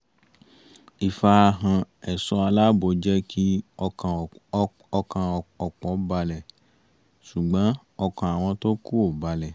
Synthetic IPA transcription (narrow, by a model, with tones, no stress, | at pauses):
i˨fa˧a˧ɦã˧ | ɛ˨sɔ˧a˧la˦bo˨d͡ʒɛ˦kʰi˦˨ | ɔ˧kã˧ɔ˨k͡pɔ˨˦ba˧lɛ˨ | ʃu˨ɡ͡bã˨˦ | ɔ˧kã˨a˨w̃ɔ̃˧to˦ku˦o˨ba˧lɛ˨